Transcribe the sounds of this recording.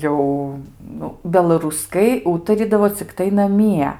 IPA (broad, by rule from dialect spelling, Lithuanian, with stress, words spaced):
ˈjɛʊ ˈnʊ bʲɛlˠɐrʊˈskɐɪ ˈuːtɐrʲiːdɐʋoː t͡sʲɪkˈtɐɪ nɐˈmʲiɛ